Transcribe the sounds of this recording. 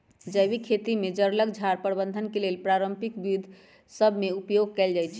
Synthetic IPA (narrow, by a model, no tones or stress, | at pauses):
d͡ʒəjbikʰet̪imed͡ʒəɾləkd͡ʒʱaɾpəɾbə̃nd̪ʱənkelelpɾaɾəmpikbid̪ʱ | səbʱmeupjoɡ̚kɛld͡ʒajt͡ʃʰ